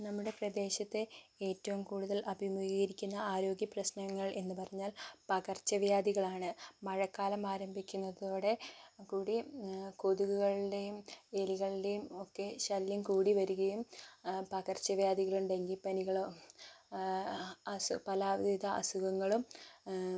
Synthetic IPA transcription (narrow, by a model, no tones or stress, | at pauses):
nɐmːuɽe̞prɐd̪e̞ːɕɐt̪ːe̞e̞ːtːɐʋumkuːɽuðɐlʔɐbʱimuɣiɣɐiɾikʲːunːɐaːɾo̞ːɡjɐprɐsnɐŋːɐɭe̞nːɨpɐrɐɲːaːlpɐɣɐrt͡ɕːɐʋjaːd̪iɣɐɭaːɳɨmɐɻɐkːaːlɐmaːɾɐmbʱikʲːunːɐðoːɽe̞kuːɽikoðuɣuɣɐɭiɖe̞jumeliɣɐɭide̞jumo̞kːe̞ɕɐlːɐmkuːɽiʋɐɾuɣɐjumpɐɣɐrt͡ɕːɐʋjaːd̪iɣɐɭuɳɖe̞ŋɡilpɐniɣɐɭo | ɐsupɐlaːʋd̪iðɐʔɐ̰suɣɐŋːɐɭum